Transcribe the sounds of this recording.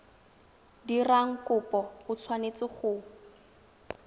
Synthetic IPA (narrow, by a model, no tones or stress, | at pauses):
diraŋ̩kʊpʼɔʊt͡sʰwanet͡sɪχʊ